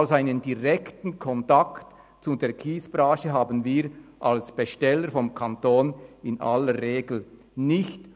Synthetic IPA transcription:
lsaɪnəndiʁɛktn̩kʰɔntakt | t͡sudeːɐkʰiːsb̥ʁaːʃəɦaːbən̩viːɾʔalsb̥eʃtɛlːəɾfɔmkʰantoːnɪnʔa̰ləɾːeːɡl̩ | nɪçt

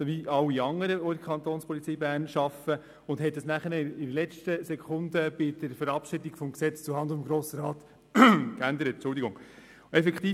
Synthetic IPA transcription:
soʋiɑwːiɑŋːəɾəoɾkʰχɑnt̪oːnspʰɔlit͡siːbæːɾnʃɑfə | ʊnd̥hɛt̚dəsnæχəɾnɪdəlɛt͡ʃtəsɛkʰʊndəb̥ɪd̥̪əɾfəɾɑpʃɪdiɡ̥fɔmksɛt͡st͡suhɑnd̪mɡɾoːsəɾɑːt̪ | kænd̪əɾət̚t͡ʃʊld̪iɡʊŋ | ɛfɛkt̪iː

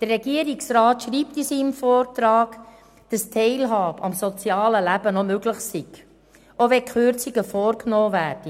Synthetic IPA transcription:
d̥ərːɛɡiəɾiksraːtʃɾiːptisimfɔːrtɾɑːɡ̥ | d̥ɑstʰɛɪlɦɑːbəɑmsɔt͡sjɑːləlæbənɔmøɡləχsiɡ̥ | ʔoʋɛkχøɾt͡siɡəfɔːɾknɔːvæːɾd̥i

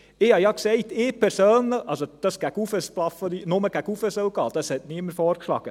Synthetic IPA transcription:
ɪhɑjɑksɛɪtɪːpʰɛɾsøːnləɑlsod̪̥ɑsɡ̥æɡufəsplɑfəɾinʊməɡ̥æɡufəsœlɡɑːd̥ɑshɛtniəməɾfɔːɾkʃlɑ̰ːɡ̥ə

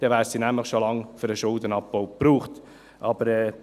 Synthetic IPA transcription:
d̥ɛvæːɾsiːnæmləχʃolɑŋføɾəʃʊlˠdənɑpːoʊpruːχt | ʔɑb̥əɾɛː

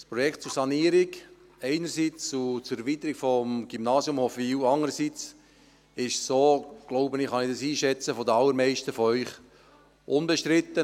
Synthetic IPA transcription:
spɾɔjɛkt̪̚t͡suɾsɑniːəɾɪk | ɛɪnəɾsiːt͡sut͡suɾɛɾviːt̪əɾikfɔmɡ̥imnɑːsjʊmhofiːwɑŋəɾəsit͡s | ɪʃsoːɡ̥loʊbənɪχɑnɪdɑsiːʃɛt͡səfɔdəɑlːəɾmɛɪʃtəfɔœʏχ | ʔʊnbɛʃtɾɪt̪ːə

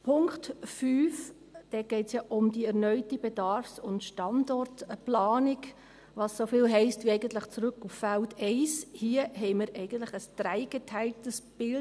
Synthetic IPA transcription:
pʰʊŋktfyːf | d̥ɛɡ̥ɛɪtsjɑʔʊmdiɛɾnœʏtibedɑɾfsʊntʃtɑndɔrtplɑːnɪk | ʋɑsːofɪːlɦɛɪstʋiɛɪɡən̩tlɪχt͡sɾʉkːufːæltʰɛɪshiəɦɛɪməɾʔɛɪɡən̩tlɪχəsd̥ɾæɪɡ̥etʰæɪltəsb̥ɪl

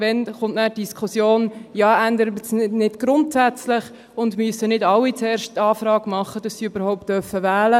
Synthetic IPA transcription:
vɛnχʊntnæːtd̥iskʰχusjoːnjɑːʔænd̪əɾəsnɪd̥ɡ̥ɾʊntsæt͡slɪχ | ʊndmyəsənɪdɑlːit͡sɛːɾʃtːɑːfɾɑːɡ̥mɑχːəd̥ɑsːiybəɾhɔʊp̚tːœɾfəvɛːlə

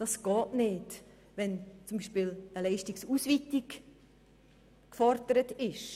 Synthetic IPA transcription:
d̥ɑsɡ̥ɑːtnɪːt | ʋɛnt͡sumbiːʃpɪləlɛɪʃtiksusʋitik | kfɔɾd̥əɾətɪʃ

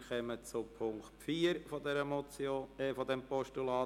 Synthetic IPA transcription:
χɛmət͡sʊpʰʊŋktfiːəɾfɔdɛɾəmɔt͡soːɛfɔdɛmpɔʃtulɑː

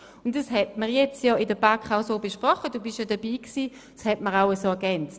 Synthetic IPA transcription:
ʊntd̥ɑshɛt̚məʁjɛt͡stjɔɪdəbakχaʊsoːbeʃpʁɔχəd̥uːbɪʃjɑdəb̥iːksi̥ː | shɛtməʁaʊəsoɛɐɡ̥ɛnt͡st

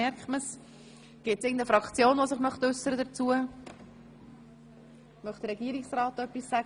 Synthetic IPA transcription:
ɛɾkχməs | ɡ̥ɪt̚sɪːɡən̩d̪əfɾɑkt͡sjoːnvosɪχmœχt̪ʏsːəɾədət͡suə | mœχt̪əɾɛɡiəɾɪksrɑːt̪œpːisːæɡ

